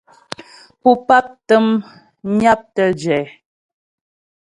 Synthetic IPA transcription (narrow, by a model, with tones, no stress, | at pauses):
pu˦pa˦p̚tə˦m | ɲa˦p̚tə˦d͡ʒɛː˨